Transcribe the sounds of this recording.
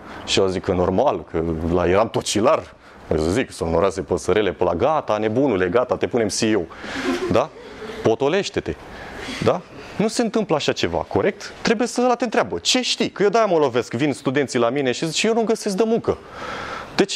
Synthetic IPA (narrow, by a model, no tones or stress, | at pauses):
ʃiazikəno̞rmalkʰəla̰jeɾamt̪ot͡ʃilar | a̰jsəziksonoɾasepəsəɾele̞pəla̰ɡat̪ane̞bunuleɡat̪at̪e̞pune̞msiod̪apo̞t̪o̞le̞ʃt̪e̞t̪e̞d̪anuse̞nt̪ɨmpləaʃat͡ʃe̞va̰ko̞ɾe̞k̚t̪ːɾe̞bujesəlat̪ent̪ɾeabət͡ʃe̞ʃt̪ikəjewd̪ajaməlove̞skvinst̪ud̪e̞nt̪silamineʃizit͡ʃjewnumɡəse̞s̬k̚d̪əmuŋkə | d̪̥et͡ʃ